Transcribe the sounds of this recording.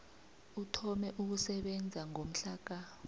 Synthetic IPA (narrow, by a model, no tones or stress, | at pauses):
utʰɔmɛʔuk̬usɛɓɛnd͡zʱaŋom̩ɬaːk̬a